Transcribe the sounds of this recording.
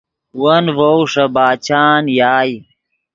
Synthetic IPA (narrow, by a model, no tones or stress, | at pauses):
wɐnvowʂɐbaːt͡ɕaːnjaːj